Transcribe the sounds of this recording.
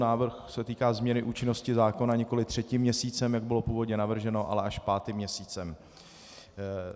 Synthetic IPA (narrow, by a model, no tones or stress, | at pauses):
naːvr̩xsɛt̪iːkaːzmɲɛnɪʔuːt͡ʃɪno̞scɪzaːko̞naɲɛko̞lɪt̪r̥ɛcɪmːɲɛsiːt͡sɛmjaɡ̚bɪlo̞puːvo̞dɲɛnavr̩ʒɛno̞ʔa̰lɛʔaʃpaːt̪ɪmɲɛsiːt͡sɛm